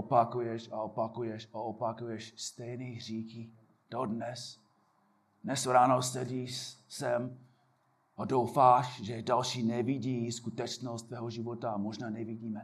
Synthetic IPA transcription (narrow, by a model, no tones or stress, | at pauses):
opakujɛʃaopakujɛʃaopakujɛʃst̪ɛjniɦriːxi | d̥odnɛs | dnɛsɾaːnosɛɟiːsɛm | adowfaːʃʒɛdalʃiːnɛviɟiːskut̪ɛt͡ʃnost̪vɛːɦoʒɪvot̪amoʒnaːnɛviɟiːmɛ